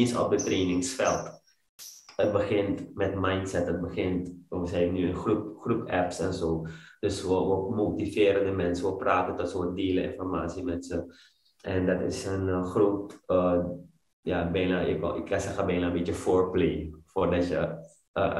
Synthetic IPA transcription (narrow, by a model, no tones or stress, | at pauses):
insɔ̰p̚dətreːnɪŋsfɛlˠt | ət̚bəxɪntmɛtmajntsɛtət̚bəxɪntsəɛbənyənxrupxrupɛpsɛnsoːd̥øsʋəʋəmoːtifɪːɾəndəmɛnsəʋəpraːtəntɔtsoːəndiːləɪ̰nfɔrma̰ːsimɛnsə | ʔɛndɔtɪ̰sənxrupə | jabɛjnaɪkɪkasɛxəbɛjnaəmbitjəfoːrpleːfoːrdɔtjə | ə̰